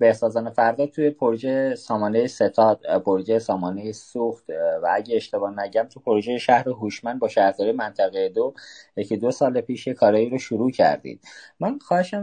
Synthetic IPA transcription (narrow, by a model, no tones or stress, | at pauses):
be̞hsɒːzɒːnefæɾd̪ɒːt̪ʰujepʰoɾd͡ʒejesɒːmɒːnejese̞t̪ʰɒːd̪̥pʰoɾd͡ʒejesɒːmɒːnejesuxt̪vææɟeeʃt̪e̞bɒːnæɟæmt̪ʰupʰoɾoʒejeʃæhɾeɦuʃmænd̪bɒːʃæhɾd̪ɒɾijemænt̪ʰæɣejed̪ojecʰed̪o̞sɒːlepʰiːʃjekʰɒːɾɒːiːɾoʃuɾuːcʰæ̰ɾd̪ḭːd̪̥mænxɒːheʃæm